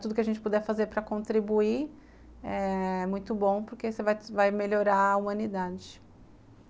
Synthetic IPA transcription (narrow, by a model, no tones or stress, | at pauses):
t̪ud̪ʊkɪɐʒẽnt͡ʃɪpud̪ɛfazeɾpɾɐkõnt̪ɾibui | ɛɛmũj̃t̪ʊbõw̃pʊɾkesɪvajvajmeʎoɾaɐumɐ̃nid̪ad͡ʒɪ